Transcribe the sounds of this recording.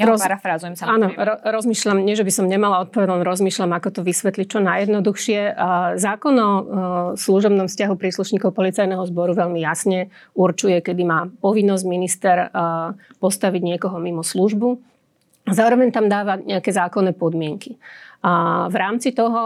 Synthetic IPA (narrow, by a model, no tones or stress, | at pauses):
ɔɾafɾazujɛmsanɔɾɔɾɔzmiːʃʎamɲɪɛʒɛbisɔmɲɛmalaɔt̪̚pɔʋɛd̪alɾɔzmiːʃlamakɔt̪ɔʋisʋɛt̪lic̚t͡ʃɔnajɛd̪nɔd̪uxʃɪɛzaːkɔnɔsluʒɔbnɔmfscaɦupɾiːsluʃɲiːkɔʊpɔlit͡sajnɛɦɔzbɔɾuʋɛʎmijasɲɛ | uɾt͡ʃujɛkɛd̪imaːpɔʋinːɔzɟminist̪ɛɾ | pɔst̪aʋiɟɲɪɛkɔɦɔmimɔsluʒbu | azaːɾɔʋɛɲt̪amd̪aːʋaɲɛakɛzaːkɔnːɛːpɔd̪mɪɛŋki | vɾaːmt͡sit̪ɔɦɔ